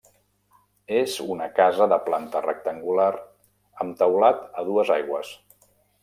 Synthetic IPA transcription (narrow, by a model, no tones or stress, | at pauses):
ezunəkazəðəplant̪ərə̰k̚t̪əŋɡulaɾ | əmt̪əwlat̪əð̞uəzajɣwəs